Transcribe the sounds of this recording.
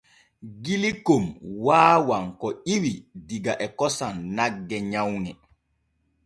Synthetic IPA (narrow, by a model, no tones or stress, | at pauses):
ɡilikomwaːwaŋkɔʔiwidiɡaʔɛkɔsanːaɡːɛɲawnɛ